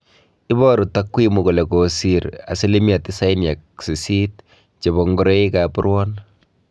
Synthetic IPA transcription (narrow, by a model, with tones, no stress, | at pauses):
ɪ˦bɔɾu˨takwimuko˨le˨kosiɾa̰˨se˦le˦mja˨tɪ˦sa˦ɪ˦nja˨k̚si˨si˦t | t͡ʃe˨bɔ˨ŋɡɔ˦ɾe˦i˦kapʊɾwɔ˦n